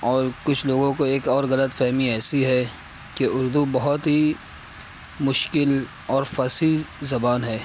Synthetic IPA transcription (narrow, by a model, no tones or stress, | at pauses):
ɔːɾkʊt͡ʃʰloːɡõkoeːkɔːɾɣɐlət̪fɛɦmiɛːsiɦɛ | keʔʊɾd̪ubɐɦʊt̪ɦi | mʊʃkɪl | ɔːɾfɐsizɐbaːnɦɛː